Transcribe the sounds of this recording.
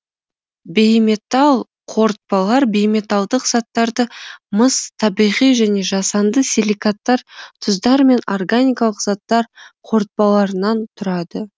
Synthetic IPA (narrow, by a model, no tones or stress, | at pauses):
bejme̞t̪ɑlˠ | qʰo̞ɾt̪̚pɑlˠɑɾbejme̞t̪ɑlˠd̪əqz̥ɑt̪ːɑɾd̪əməst̪ʰɑbijʁijʒæne̞ʒɑsɑnd̪əselʲikat̪ːɑɾt̪ʰʊzd̪ɑɾme̞no̞rɡanʲijkɑlˠəqzɑt̪ːɑɾqʰo̞ɾt̪̚pɑlˠɑɾənɑnt̪ʰʊɾɑd̪ə